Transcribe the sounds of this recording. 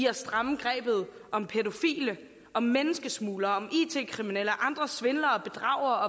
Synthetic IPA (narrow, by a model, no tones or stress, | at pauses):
iɐsd̥ʁɑ̈mɡ̥ʁɛ̰ːb̥ð̞̩ˠɒ̽mpʰe̝do̝fḭːlə | ʔɒ̽mːenəsɡ̥əsmuːlɐɒ̽mḭːt͡sʰe̝̰kʰʁiminel̰ɒʔɑ̈nd̥ʁɐsʋe̝nlɐɒ̽b̥e̝d̥ʁɑ̰̈ʊ̰ɐɒ̽